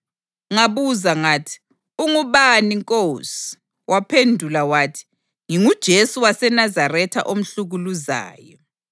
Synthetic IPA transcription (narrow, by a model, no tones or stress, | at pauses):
ŋaβuzaŋatʰi̥ | uŋuβaniŋkʼosi̥ | wʔapʰendʱulawaːtʰi̥ | ŋiŋud̥ʒ̥ʱesuwasɛnazarɛtʰa̰ʔom̩ɬuɣuluza̰ːjɔ